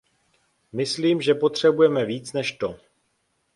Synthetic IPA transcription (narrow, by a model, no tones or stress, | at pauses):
mɪsliːmʒɛpo̞t̪r̝̥ɛbujɛmɛviːt͡snɛʃt̪o